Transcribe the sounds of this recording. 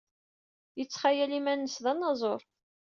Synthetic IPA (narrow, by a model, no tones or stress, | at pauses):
jət͡sːχajælimænːəsðɑnːɑzˤoɾˤ